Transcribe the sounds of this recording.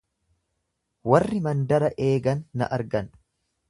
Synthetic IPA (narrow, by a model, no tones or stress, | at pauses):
wɐrːɪmɐnd̪ɐɾɐʔe̞ːɡɐnːɐ̰ʔɐɾɡɐn